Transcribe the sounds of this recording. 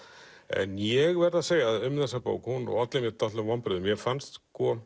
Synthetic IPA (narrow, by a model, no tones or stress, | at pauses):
ɛ̰njɛɣvɛɾðaseːjaaðʏmðasapo̰ːwkhunɔ̰ɣat̪lɪmjɛɾt̪at̪lʏmvampɾɪɾðʏmjɛɣfanst̪kʰɔ